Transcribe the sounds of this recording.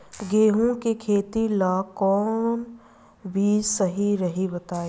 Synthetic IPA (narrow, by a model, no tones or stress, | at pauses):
ɡʱeːɦõkekʰeːt̪ilaːkɔːn | bʱisɐɦiɾɐɦibɐt̪aːeː